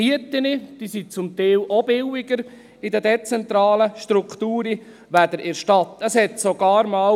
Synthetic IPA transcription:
iət̪ɪnəd̥isit͡sʊmt̪ɛːwʔɔb̥ɪwiɡəɾ | idədɛt͡sɛnt̪ɾɑːləʃtɾukχt̪uːɾi | ʋæd̥̪əɾʔɪɾʃtɑt̪əshɛt̪soɡ̥ɑːɾmɑː

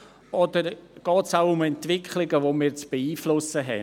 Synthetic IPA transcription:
ʔɔdəɾɡ̥ɑːtsaʊʊmɛntvɪkʰlɪɡəvomiːɾt͡sb̥eiːflʊsəɦɛ̰n

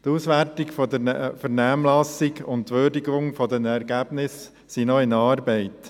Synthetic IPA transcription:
t̪uːsʋæɾtɪkfɔd̪əfəɾnæmlɑsɪɡʊnttːʋøːɾdiɡʊŋfɔd̪ɛnɛɾɡæb̥nɪsː | inɔɪnɑːɾbɛɪt

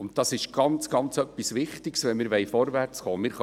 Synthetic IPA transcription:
ʊnt̚tɑsɪʃɡ̥ɑnt͡sɡ̥ɑnt͡sœpːisʋɪχtɪɡsʋɛnmɪːɾʋɛɪfɔɾvært͡sχoːmɪːɾχ

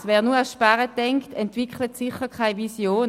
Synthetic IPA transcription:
sʋɛːɐnuɐaʃpaʁətɛŋktɛntʋɪkχlətsɪχəkʰaɪvisjoːn

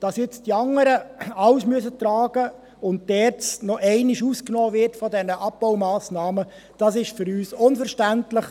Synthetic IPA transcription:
d̥ɑsjɛt͡sd̥iɑŋːəɾəɑwsmyəsətɾɑːɡ̥ə | ʊnt̚d̥ɛːɾt͡snɔʔɛɪnɪʃusknɔːvɪrtfɔdɛnəʔɑp̚b̥ɔʊmɑːsnɑːmə | d̥ɑsɪʃfʏɾyːsʊnfəɾʃtæntləχ

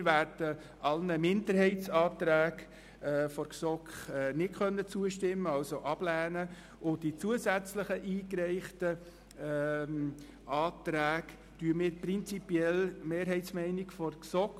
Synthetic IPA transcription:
ʋæːɾd̥ə | ʔɑlnəmɪndəɾhɛɪtsɑːt̪ɾæːɡ | fɔɾksɔkχɛnɪtkʰœnːət͡suəʃtɪmːəɑlsoʔɑb̥læːnə | ʊd̥it͡suəsæt͡sləχəʔiːkɾɛɪχtə | ɑːtɾæːk | tyəmɪːɾpɾɪnt͡sipjɛlmeːɾɦɛɪtsmɛɪnɪkfɔrksɔk

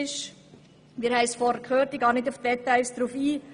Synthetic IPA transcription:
ɪʃ | miːɾhɛɪsfɔɾdəkχøːɾtiɡɑːnɪdufd̥ɛt̪aɪlsd̥ɾufiː

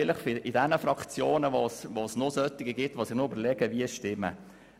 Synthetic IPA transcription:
ɪləχfɪɪdɛnəfɾɑkt͡sjoːnəʋosʋosnosœt̪ːɪɡəɡɪtːʋosɪχnʊybəɾlɛɡ̥əʋiəsʃtɪmːə̰

